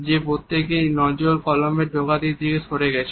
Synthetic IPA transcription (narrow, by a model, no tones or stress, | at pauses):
d͡ʑepot̪ʰːekejnɔd͡ʑolkɔlombeɾɖʱoɡat̪id̪ikesʰoɾeɡɛt͡ɕʰe